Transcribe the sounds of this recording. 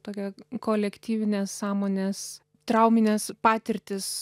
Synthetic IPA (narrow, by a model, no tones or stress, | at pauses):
t̪oːkʲɛkoːlʲɛkt̪ʲiːʋʲɪnʲeːssɑːmoːnʲeːs | t̪ɾɐʊmʲɪnʲeːspɑːt̪ʲɪɾʲt̪ʲɪs